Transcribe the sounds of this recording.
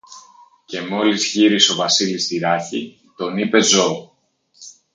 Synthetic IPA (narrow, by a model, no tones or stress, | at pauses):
ce̞mo̞lizʝiɾiso̞vɐsilist̪iɾɐçi | t̪o̞nipe̞zo̞